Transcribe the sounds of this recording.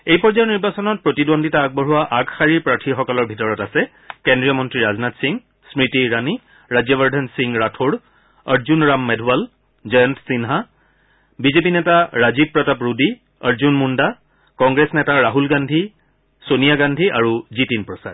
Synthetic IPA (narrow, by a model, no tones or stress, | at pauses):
ejpɔɹzajɔniɹbasɔnɔt̚pɹotidondʱitaːɡ̚bɔɹuwaʔaɡxaɹiɹpɹatʰixɔkɔlɔɹbʱitɔɹɔtasɛ | kendɹijɔmɔntɹiɹaznatsiŋ | smɹitiɹani | ɹazjɔbəɹdʱansiŋɹatʰoɹ | əɹzunɹamːɛdʱual | d͡ʒɔjɛntsinɦa | bizepinɛtaɹazib̚pɹɔtapɹudi | əɹzunmunda | kɔŋɡɹesnɛtaɹaɦulɡandʱi | sonijaɡandʱiʔaɹuzitinpɹɔsa̰d̚